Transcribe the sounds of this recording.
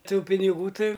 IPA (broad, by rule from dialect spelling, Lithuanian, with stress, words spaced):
ˈtuː pʲɪnʲɪˈɡuː ˈtɐɪ